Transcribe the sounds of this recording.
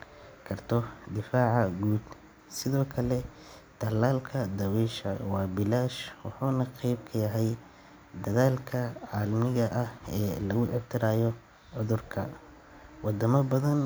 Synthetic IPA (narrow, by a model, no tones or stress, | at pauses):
kʰɐrt̪ʰɔd̪ɪfaːʕɑɡuːd̪ | sɪðɔːkʰɐlɛ | t̪ʰɐlːaːlkʰɐd̪ɐwiːʃɐ̰wɑːbɪlaːʃwɑħuːnɐqɛjb̚kʰɐjɐɦɛj | d̪ɐðaːlkʰɐʕɑːlmɪɣɐʔɐhɛːlɐɣʊʕɪb̚t̪ʰɪɾaːjɔ | ʕʊðʊrkʰɐ | wɑd̪ɐmɐbɐðɐn